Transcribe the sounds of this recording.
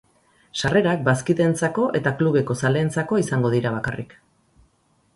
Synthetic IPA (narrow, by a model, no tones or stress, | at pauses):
ʃare̞ɾak̚baskiðe̞nt͡sako̞ʔe̞t̪akluβ̞e̞ko̞sale̞ːnt͡sako̞isaŋɡo̞ðiɾaβ̞akarik